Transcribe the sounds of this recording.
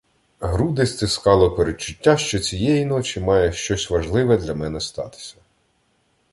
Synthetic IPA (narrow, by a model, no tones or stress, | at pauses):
ɦɾud̪esʲt̪ɪskɑlˠɔpeɾet͡ʃːʊtʲːaʃt͡ʃɔt͡sʲijɛjinɔt͡ʃʲimɑjɛʃt͡ʃɔsʲʋɐʒlˠɪʋɛd̪lʲɐmɛnɛst̪ɑ̰t̪ɪ̥sʲɐ̥